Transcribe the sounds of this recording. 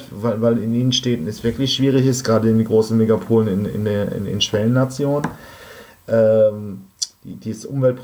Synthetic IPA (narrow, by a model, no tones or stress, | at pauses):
vaɪlvaɪlɪniːnənʃtɛːtn̩ɛsv̥ɪɐklɪçʃv̥iːʁ̞ɪçɪstɡ̥ʁaːdəɪndiɡʁoːsn̩meɡapʰoːlənɪnɪ̰ndeːɐɪ̰nɪ̰nʃv̥ɛlənːat͡sjoːnən | ʔɛːmd̥iːd̥iːʔʊmvɛlt̚pʁ